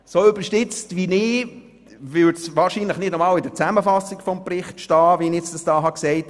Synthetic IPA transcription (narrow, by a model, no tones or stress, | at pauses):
soːʏbəɾʃtɪt͡stʋinɪː | vʏtsʋɑːɾʃiːnləχnɪdnɔmɑːlɪdəɾt͡sæməfɑsːɪkfɔmprɪχtʃtɑːvinɛt͡sd̥ɑsd̥ɑːɦɑksɛɪt